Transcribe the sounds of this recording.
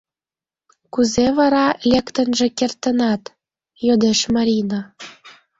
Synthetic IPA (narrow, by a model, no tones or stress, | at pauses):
kuzeβɑɾɑlʲekt̪ə̆nʒĕkert̪ə̆nɑt̪ | jod̪eʃmɑɾʲina